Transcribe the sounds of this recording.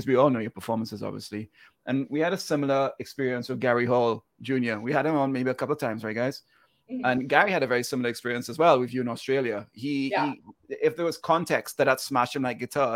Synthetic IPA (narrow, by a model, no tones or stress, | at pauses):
ʌzwiɔlˠnoʊjə˞pʰəfɔɹmə̃nsɨzɑ̰bvḭəsli | ʔɨ̃nwiɨɾɨsɪ̃ml̩ˠə˞ɨkspɪɹiɨ̃nswɨðɡɛɹiɦoʊlˠ | d͡ʒʉ̃njə˞wiəɾ̚ɨ̃mə̃nmeɪbiəkʰʌplˠəv̥tʰãɪ̃mzɹaɪɡ̥aɪz̥ | ə̃nɡæɹiɨɾɨvɛɹisɪ̃ml̩ˠə˞ɨkspɪɹiɨ̃nsəzwɛlˠwɪvjʉɨ̃nɔstɹ̥eɪlˠjɨhiiɪfðə˞wʌz̥kʰɑ̃ntʰɛkst̚ðɨt̚ətsmæʃt̚hɨ̃m̩laɪk̚ɡ̥ɨtʰɑ